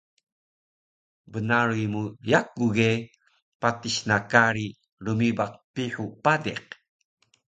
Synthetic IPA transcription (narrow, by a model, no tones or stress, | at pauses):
bənaɭimujakuɡe | patiɕnakaɾi | rumibaq̚piħupadeq̚